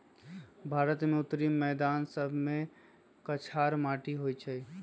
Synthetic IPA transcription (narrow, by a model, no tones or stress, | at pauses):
bʱaɾət̪meʊt̪ːɾimːɛd̪ansəbʱme | kət͡ʃʰaɾmaʈiɦojt͡ʃʰəj